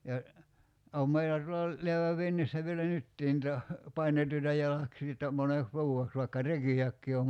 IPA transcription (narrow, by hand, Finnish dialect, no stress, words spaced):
jɑ oˑm meilæ tuolɑ leæʋæʋ ʋinːisːæ ʋielæ nytːiː ntɑ pɑinetuitɑ jɑlɑksiː etːæ moneks ʋuːeks ʋɑikːɑ rekiækːiː om